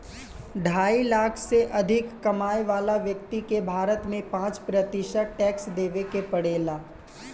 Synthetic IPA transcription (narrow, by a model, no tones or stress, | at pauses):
ɖʱaːilaːkʰseʔɐd̪ʱɪkːɐmaːeʋaːlaʋjək̚t̪ikebʱaːɾət̪mẽpãːt͡ʃpɾət̪ɪʃəʈɛːksd̪eːʋekepɐɽeːlaː